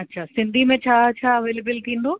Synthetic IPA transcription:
ɐtːʃʰasɪ̃nd̪ʱimẽt͡ʃʰaːt͡ʃʰaəʋeːlebəlt̪ʰĩːnd̪oː

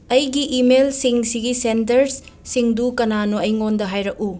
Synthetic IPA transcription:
ɐjɡiʔimelsiŋsiɡisentɐɾs | siŋdukɐnanoɐjŋondɐɦajɾɐk̚u

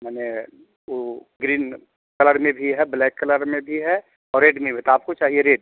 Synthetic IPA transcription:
mɛːne | oɡɾiːn | kɐləɾmẽbʱiɦɛblɛːkːɐləɾmẽbʱiɦɛ | ɔːɾːeːɖmẽbʱit̪oaːp̚kot͡ʃaːɦieɾeːɖ̚

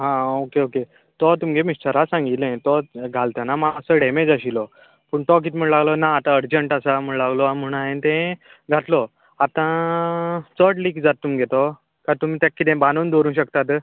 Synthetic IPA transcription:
ɦãokeoke | t̪ɔt̪umɡemisʈəɾasãŋɡilɛ̃t̪ɔɡʱalt̪ənamaəsəɽ̤ʱemẽd͡zaɕilɔ | pəːɳʈ̪ɔk̬it̪m̤əɳlaɡlɔnaːt̪ãəɾd͡ʑəɳʈasam̤əɳlaɡlɔam̤əɽ̃aɦẽnt̪ɛ̃ | ɡʱat̪lɔ | at̪ã | t͡səʈliːkd͡zat̪ːumɡet̪ɔ | kaɾt̪um̤iːt̪jakːit̪ẽbanuːnd̪oɾũːɕəkt̪at̪

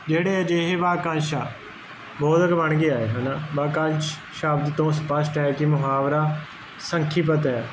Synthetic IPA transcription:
d͡ʒeːɽeːəd͡ʒeːɦeʋaːkãːnʃaː | boːd̪əkʋəɳ̃ɡiːaːeːɦɐnaʋaːkãːnʃ | ʃaːbd̪t̪õːspəsʈaekimʊɦaːʋɾaː | sə̃ŋkʰip̬ət̪ɛː

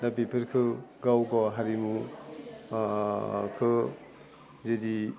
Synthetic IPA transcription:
dabipʰiɾkʰɯɡawɡɔɦaɾimu | kʰɯ | zedi

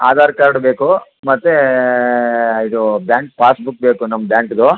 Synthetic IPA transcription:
aːd̪ʱaːɾkaɾɽbeːkumɐt̪ːe | id̪ubjaːɳk̚paːsbuk̚beːkunɐmːɐbjaːɳkd̪o

